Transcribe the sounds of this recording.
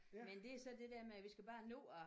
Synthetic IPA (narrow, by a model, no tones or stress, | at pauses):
mend̥e̝æɐsɒ̽d̥e̝d̥eɐmeʋisɡ̥æb̥ɑ̈ːnɔ̰ːɒ